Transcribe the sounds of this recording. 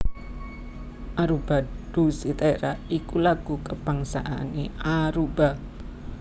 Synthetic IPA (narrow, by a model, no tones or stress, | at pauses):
ʔaɾub̥aɖ̥usit̪aeɾaikulaɡ̥ukəb̥aŋsaʔa̰neaɾuba